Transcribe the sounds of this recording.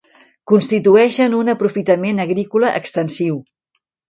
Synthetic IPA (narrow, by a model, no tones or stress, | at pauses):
kunst̪it̪uɛʃənunəpɾufit̪əmenəɣɾikuləʔə̰kst̪ənsiw